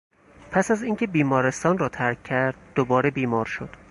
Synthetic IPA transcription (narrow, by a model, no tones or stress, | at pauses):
pʰæsæziːŋcʰe̞biːmɒːɾe̞st̪ɒːnrɒːt̪ʰæɾkʰːæɾd̪̥̚ːobɒːɾebiːmɒːɾʃod̪̥